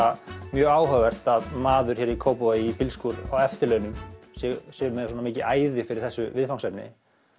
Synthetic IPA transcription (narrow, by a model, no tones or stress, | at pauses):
amjœːɣaːwɦœvɛr̥t̪aðmaːðʏɾ̥çɛːɾikʰoːwpɔaipɪlskuɾawɛft̪ɪɾlœːnʏmsɛsɛɣʏlmɛnðas̬ɔːnamiːcɪʔaːjðɪfɪɾɪɾ̥θɛsːʏvɪðfawŋsɛpnɪ̰